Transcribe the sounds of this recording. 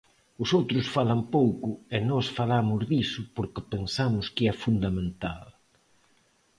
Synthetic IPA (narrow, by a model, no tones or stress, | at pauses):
ʊsowt̪ɾʊsfalɐmpowkʊenɔsfalamʊzðisʊpoɾkɪpensamʊskɪɛfund̪amẽnt̪al